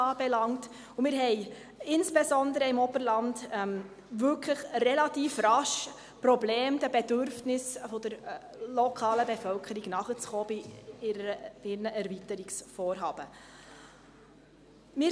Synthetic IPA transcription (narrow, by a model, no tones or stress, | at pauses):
ɑːb̥ɛlɑŋt | ʊmɪːɾɦɛɪ | ɪnsb̥ɛsɔnd̪əɾəɪmɔbəɾlɑndɛm | vʏlkʰləχrɛlɑtiːfrɑʃ | pɾɔbleːmd̥̪əbɛdʏɾfnɪsfɔd̥̪əɾ | lɔkʰɑːləbefœlkʰəɾiɡ̥nɑχət͡sχɔːb̥ɪ | ɪɾnəʔæɾvitəɾiksfɔːrɦɑːb̥ə | mɪ